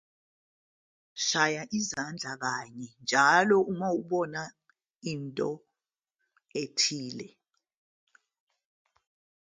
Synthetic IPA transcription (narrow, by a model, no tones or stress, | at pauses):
ʃajaʔizand͡ɮʱak̬aɲɛnd͡ʒʱalɔʔumauɓɔna | intʼɔ | etʰiːlɛ